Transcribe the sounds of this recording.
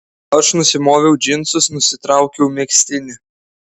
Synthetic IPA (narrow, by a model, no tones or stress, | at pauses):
ɐʃnʊsʲɪmoːʋʲɛʊd͡ʒʲɪnt̪sʊsnʊsʲɪt̪ɾɑˑʊkʲɛʊmʲeksʲt̪ʲɪnʲɪ